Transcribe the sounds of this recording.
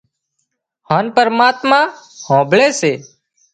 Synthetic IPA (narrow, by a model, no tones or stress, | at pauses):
haːnpəɾmaːt̪mãːhõːbɭeːseː